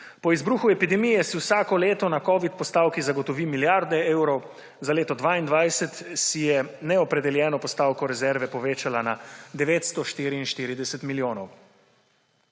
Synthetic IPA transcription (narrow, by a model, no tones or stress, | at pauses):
pɔizbɾuːxuɛpid̪ɛmijɛsiwsaːkɔleːt̪ɔnakɔːʋit̪pɔst̪aːwkizaɡɔt̪ɔʋiːmiljaɾd̪ɛeːwɾɔw | zaleːt̪ɔd̪ʋaːind̪ʋajsɛt̪sijɛnɛɔpɾɛd̪ɛljɛːnɔpɔst̪aːwkɔɾɛzɛɾʋɛpɔʋeːt͡ʃalanad̪ɛʋeːt̪st̪ɔʃt̪iːɾiːnʃt̪iːɾid̪ɛsɛt̪miljoːnɔw